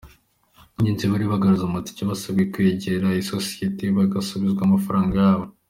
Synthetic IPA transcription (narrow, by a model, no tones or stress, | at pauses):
ɲiːnziβaɾiβaɡaɾuzomati̥ciβasabɡekweɟeɾaisosi̥jetiβaɡasuβizɡwamafaɾaːŋɡajaːβo